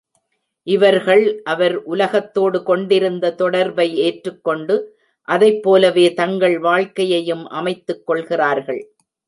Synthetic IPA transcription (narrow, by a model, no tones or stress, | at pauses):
ʔɪʋɐɾɣɐɭʔɐʋɐɾʔʊlɐɣɐt̪ːoːɽɯkɔɳɖɪɾɯnd̪ɐt̪ɔɽɐɾbɐɪeːʈrɯkːɔɳɖɯ | ʔɐðɐɪpːoːlɐʋeːt̪ɐŋɡɐɭʋaːɭkɐjɐjɯmʔɐ̰mɐɪt̪ːɯkːɔɭɣɪraːɾɣɐɭ